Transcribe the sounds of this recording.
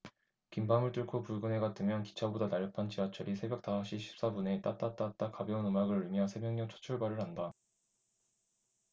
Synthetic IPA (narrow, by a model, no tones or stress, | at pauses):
kimbamɯɭt͈ɯɭkʰopuɭɡɯnɦe̞ɡatʰɯmjʌnki̥t͡ɕʰabodanaɭjʌpʰant͡ɕiwat͡ɕʰʌɾisʰe̞bjʌk̚t͈aaɕ͈iɕʰi̥p̚s͈abune̞t͈at͈at͈at͈akabjʌunɯmaɡɯɾɯɭmjʌsʰe̞mjʌŋɲʌŋt͡ɕʰo̥t͡ɕʰuɭbaɾɯɭɦanda